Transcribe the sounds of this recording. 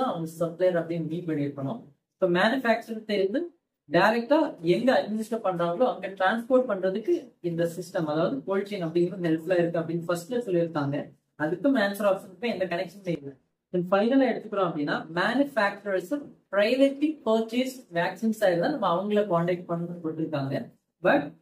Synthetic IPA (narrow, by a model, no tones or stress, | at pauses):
ãːɐʋɐŋɡɐsɐplɐjɐɾɐpːɐɽɪjmiːpɐɳːiɾkːɐɳʊ̃ | soːmaːnɯfaːk̚t͡ʃɐɾt̪ɛɾɪnd̪ɯ | ɖɐɪɾɛk̚ʈaːɛŋɡɐɐɖ̚mɪnɪsʈɐpɐɳraːŋɡɐɭoːɐŋɡeːʈɾaːnspoːɾʈ̚pɐɳrɐðɯkːɯɪnd̪ɐsɪsʈɐmɐðaːʋɐðɯpoːɻt͡ʃːɐnɐpːɐɽɪŋɡɐnɐɦɛlflaːɪɾɯkːɯ̃ɐpːɐɽɪnɐfɐsʈesɔlːɪɪɾɯt̪ːaːŋɡɐ | ɐðɯkːɯ̃maːnsɾaːpsɐnpːoːɛnd̪ɐkɐnɛkʂɐnʋejlɐ | ɛnfɐɪnɐlaːɛɽɯt̪ːɯkːɯɽõːɐpːɐɽɪnːaːmaːnɯfaːk̚t͡ʃʊɾɐspɾɐɪʋeʈlipəːt͡ʃisʋaːksinsaːɪɐðɯt̪ãːnɐmːɐɐʋɐŋɡɐɭekaːɳʈɛk̚ʈ̚pɐɳːɯnpoːɪʈːɪɾɯkːaːŋɡɐ | bɐʈ̚